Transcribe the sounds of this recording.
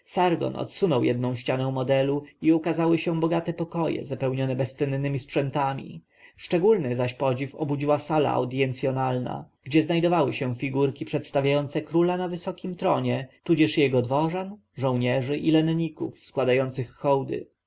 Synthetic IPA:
saɾɡɔ̰nɔ̰t̪sunɔwjɛd̪̚nɔ̃w̃ɕt͡ɕanɛ̃w̃mɔd̪ɛluiukazawɘɕɛ̃bɔɡat̪ɛpɔkɔjɛ̰zapɛwɲɔnɛbɛst̪ɛnnɘmʲispʂɛnt̪amʲḭ | ʂt͡ʂɛɡulnɘzaɕpɔd͡ʑifɔbud͡ʑiwasala̰a̰wd̪jɛnt̪sʲjɔnalna̰ɡ̥d͡ʑɛznajd̪ɔvawɘɕɛ̃fʲiɡuɾkʲipʂɛt̪st̪avʲjajɔnt̪sɛkɾulanavɘsɔkʲimt̪ɾɔɲɛt̪ud͡ʑɛʂjɛɡɔd̪vɔʐan | ʐɔ̃w̃ɲɛʐɘʔilɛnɲikṵfskwad̪ajɔnt̪sɘxːɔwd̪ɘ̰

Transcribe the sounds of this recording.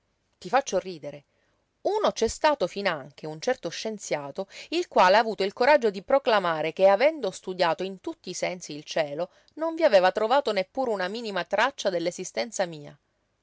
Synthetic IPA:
t̪ifat͡ʃːoriːd̪eɾe | uːnot͡ʃɛst̪aːt̪ofinaŋk̟eunt͡ʃɛrt̪oʃːent̪sjaːt̪oilkwaːleaːvuːt̪oilkoɾad͡ʒːod̪ipɾoklamaːɾek̟eavɛnd̪ost̪ud̪jaːt̪oint̪ut̪ːiːsɛnsiːlt͡ʃɛːlo | noɱviaveːvat̪ɾovaːt̪onepːuːɾeunamiːnimat̪ɾat͡ʃːad̪elːezist̪ɛnt̪samiːa̰

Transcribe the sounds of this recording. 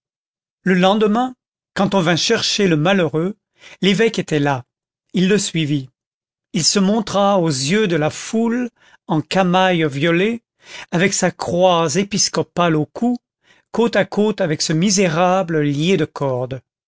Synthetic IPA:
ləlɑ̃d̪əmɛ̃ | kɑ̃t̪ɔ̃vɛ̃ʃɛʁʃeləmaløʁø | levɛket̪ɛla | ilːəsɥivi | ilsəmɔ̃t̪χaozjød̪əlaful | ɑ̃kamajvjɔle | avɛksakχwazepiskɔpalokʰu | kot̪akʰot̪avɛksəmizeʁabləljed̪əkʰɔʁd̪

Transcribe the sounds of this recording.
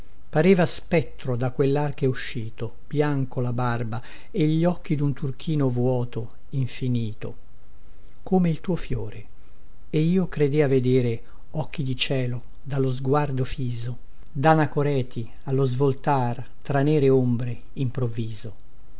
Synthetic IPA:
paɾeːvaspɛt̪ːɾod̪akwelːarkeuʃːiːt̪o | b̥jaŋkolabarba | eʎːɔkːid̪unt̪urk̟iːnovwɔːt̪o | iɱfiniːt̪o̰ | komeilt̪uːofjo̰ːɾe | eiːokɾed̪eaved̪eːɾe | ɔk̟ːid̪it͡ʃɛːlo | d̪alːozɡward̪ofiːzo | d̪anakoɾɛːt̪ʰi | alːozvolt̪ar | t̪ɾanɛːɾeombɾe | impɾovːiːzo

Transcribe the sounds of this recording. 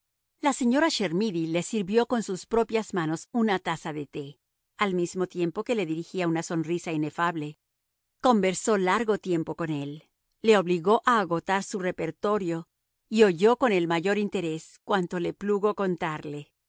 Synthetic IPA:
lase̞ɲo̞ɾaʃe̞ɾmiðilesiɾβjo̞ko̞nsuspɾo̞pjazmano̞sunat̪asaðe̞t̪e̞ | almizmo̞t̪je̞mpo̞ke̞le̞ðiɾixiaunaso̞nrisaine̞faβle | ko̞mbe̞ɾso̞laɾɣo̞t̪je̞mpo̞ko̞ne̞lː | e̞o̞βliɣo̞ʔaːɣo̞t̪aɾsure̞pe̞ɾt̪o̞ɾjo̞ | io̞ʝo̞ko̞ne̞lmaʝo̞ɾint̪e̞ɾe̞skwant̪o̞le̞pluɣo̞ko̞nt̪aɾle̞

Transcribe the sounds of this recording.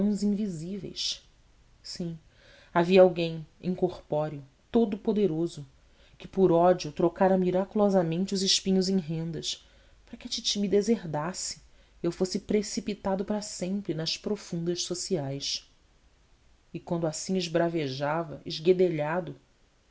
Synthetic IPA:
w̃zĩŋvizivḛjʃ | sĩ | aviɐawɡẽj̃ẽkoχpɔɾiʊ | t̪od̪ʊpod̪eɾozʊ | kɪ̥pʊɾɔd͡ʒiʊt̪ɾokaɾɐmiɾakulɔzɐmẽnt͡ʃɪʊzɪʃpĩɲʊzẽj̃ɦẽnd̪ɐʃ | paɾɐkɪɐt͡ʃit͡ʃimid̪ezeɦd̪asɪ̥ | ewfosɪpɾesipit̪ad̪ʊpɾɐsẽmpɾɪnɐʃpɾofũnd̪ɐʃsosiajʃ | ɪkwɐ̃nd̪ʊasĩɪʒbɾaveʒavɐɪʒɡed̪eʎad̪ʊ

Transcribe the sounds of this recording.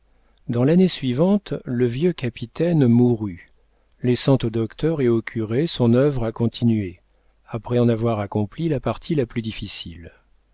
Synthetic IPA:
d̪ɑ̃lanesɥivɑ̃t̪ləvjøkapit̪ɛnmuʁy | lɛsɑ̃t̪od̪ɔkt̪œʁeokʲʰyʁesɔ̃nœvʁakɔ̃t̪ʰinɥe | apχɛɑ̃navwaʁakɔ̃plilapaʁt̪ʰilaplyd̪ifisil

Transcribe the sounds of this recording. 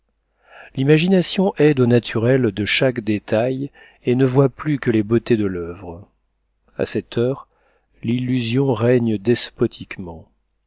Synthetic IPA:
limaʒinasjɔ̃ʔɛd̪onat̪ʰyʁɛld̪əʃakd̪et̪aj | enəvwaplykəlebot̪ed̪əlœvʁ | a̰sɛt̪ʰœʁ | lilːyzjɔ̃ʁɛɲd̪ɛspɔt̪ʰikmɑ̃

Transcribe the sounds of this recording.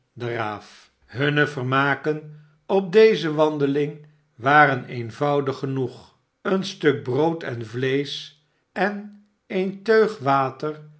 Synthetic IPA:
dəraːf | ɦɵnəvərmaːkən | ɔp̚dejzəʋɑndəlɪŋ | ʋaːɾənejnvʌwdəχːənuχ | ənstɵk̚browtɛnvlejs | ɛn | ejntøɥχʋaːtəɹ

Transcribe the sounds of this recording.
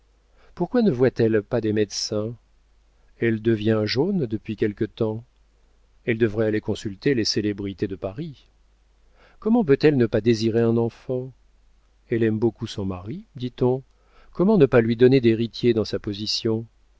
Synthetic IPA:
puʁkwanəvwat̪ɛlpad̪emɛd̪sɛ̃ | ɛld̪əvjɛ̃ʒond̪əpɥikʲɛlkət̪ɑ̃ | ɛld̪əvʁɛalekɔ̃sylt̪eleselebʁit̪ed̪əpaʁi | kɔmɑ̃p̬øt̪ɛlnəpad̪eziʁeɛ̃nɑ̃fɑ̃ | ɛlɛmbokusɔ̃maʁid̪it̪ɔ̃ | kɔmɑ̃nəpalɥid̪ɔned̪eʁit̪jed̪ɑ̃sapɔzisjɔ̃

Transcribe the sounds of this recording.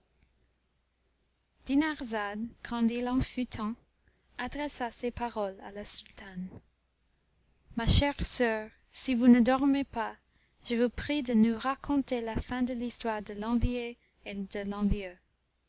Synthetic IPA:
d̪̥inaʁzad̪kʰɑ̃d̪ilɑ̃fyt̪ʰɑ̃ | ad̪ʁɛsasepaʁɔla̰lasylt̪an | maʃɛʁsœːʁ | sivunəd̪ɔʁmepa | ʒ̥əvupχid̪ənuʁakʰɔ̃t̪elafɛ̃d̪əlistwaʁd̪əlɑ̃vie | ed̪əlɑ̃vjø

